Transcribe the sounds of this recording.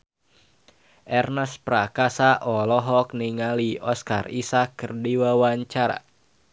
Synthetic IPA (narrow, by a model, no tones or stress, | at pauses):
ʔɛrnaspɾakasaʔɔlɔɦɔk̚niŋaliɔskarisakːɨrdiwawaɲt͡ʃaɾa̰